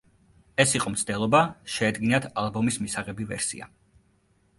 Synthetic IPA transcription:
ɛsiqʼɔmt̪sʰd̪ɛlˠɔbaʃɛːd̪ɡinat̪ʰalˠbɔmismisaʁɛbivɛ̰ɾsḭa̰

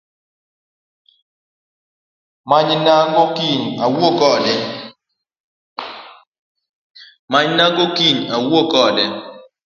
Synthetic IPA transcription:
maɲnaɡokiɲawokɔdɛ | maɲnaɡokiɲawokɔdɛ

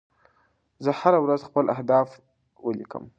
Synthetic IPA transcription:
zəhaɾawɾazxpəlʔahd̪ɑf | wəlikə̰m

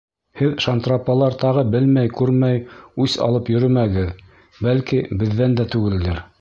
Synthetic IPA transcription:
hɘðʃant̪rapːɑlˠɑɾt̪ɑʁɤbɘlmæjkʉɾmæjʉsɑ̰lˠɤpjɵ̆ɾɘmæɡɘð | bælkibɘ̆ðːænd̪æt̪ʉɡɘ̆ld̪ɘɾ

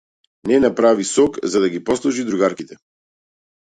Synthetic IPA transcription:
nɛnapɾavisɔkzad̪aɡipɔslˠɔʒid̪ɾuɡaɾkit̪ɛ

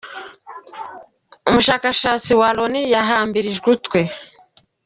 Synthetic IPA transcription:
umuʃaːkaʃaːt͡siwalonijaɦaːmbiɾiʒɡutkwe

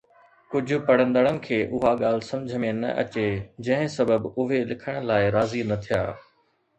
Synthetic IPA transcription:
kʊd͡ʑʱʊ̆pɐɽ̤ə̃nd̪əɽənɪ̆kʰeːʔʊɦaɠaːl̤ɪsɐ̃md͡ʑʱəmẽnɐ̰ʔɐ̰t͡ɕed͡ʑɐ̃ɦɪ̃sɐbəbʊɦelɪkʰəɽ̃əlaːɪɾaːzinɐt̪ʰija̰ː

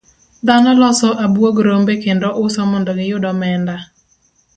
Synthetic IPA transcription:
d̪anɔlɔsɔʔabwoɡɾombekendɔʔʊsɔmɔndɔɡɪjʊdɔmɛnda

